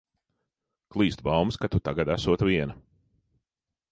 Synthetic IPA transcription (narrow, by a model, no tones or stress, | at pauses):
klˠiːst̪bawmskat̪ut̪aɡad̪æsuɔt̪vʲiɛnɐ